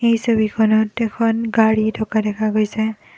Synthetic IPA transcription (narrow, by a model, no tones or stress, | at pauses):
ejsobikʰɔnɔtːɛkʰɔnɡaɹitʰɔkadɛkʰaɡojsɛ